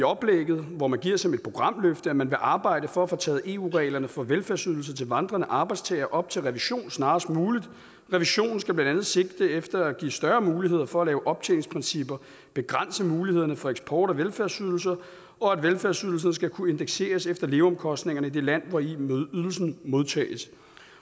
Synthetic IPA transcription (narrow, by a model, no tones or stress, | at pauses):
iɒ̽b̥leɡ̥ð̞̩ˠʋɒmænɡ̥iɐ̰sɒmed̥̚pʰʁo̝ɡ̥ʁɑ̈m̰løfd̥əæmænʋe̝ʔɑ̈ːb̥ɑ̈ɪ̰d̥əfɒ̽æfɒt͡sʰɛ̰ːð̞̩ˠʔe̝ṵːʁɛɪlɐnəfɒ̽ʋelfæɐsyðˠl̩sɐt͡sʰe̝lʋɑ̈nd̥ʁɐnəʔɑ̈ːb̥ɑ̈ɪ̥st͡sʰɛ̰ːɪɐʔɒ̽b̥̚t͡sʰe̝lʁɛʋiɕo̝̰ːnsnɑ̈ːsd̥muːlid̥ | ʁɛʋiɕo̝̰ːn̩sɡ̥æb̥lænd̥ænð̞̩ˠse̝ɡ̥̚d̥əefd̥ɐæɡ̥ḭsd̥ɶɐːmuːliɦe̝ð̞̰ˠɐfɒ̽ælɛːʊʔɒ̽b̥̚t͡sʰḛleŋ̩spʰʁinsib̥ɐ | b̥e̝ɡ̥ʁɑn̰səmuːlihe̝ð̞̰ˠɐnəfɒ̽eɡ̥sb̥ʰɒ̰ːɾ̥ɒʋelfæɐsyð̞ˠl̩s̬ɐ | ɒ̽æd̥ʋelfæɐsyð̞ˠl̩s̬ɐnəsɡ̥ækʰue̝nd̥eɡ̥se̝̰ːɐsefd̥ɐle̝ːʊɒ̽mkʰɒ̽sd̥ne̝ŋɐnəid̥e̝læn̰ʋɒiyð̞ˠl̩sn̩mo̝ðˠt͡sʰɛ̰ːɪs